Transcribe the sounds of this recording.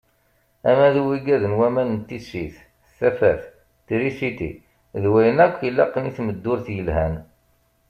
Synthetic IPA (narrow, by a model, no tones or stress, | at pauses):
æmæðuwiɡæðənwæmænənt̪ːisiθ | sæfæθ | t̪ɾisit̪ḭ | ðwæjənækʷːilːæqːniθməd̪ːʊɾθjəlhæn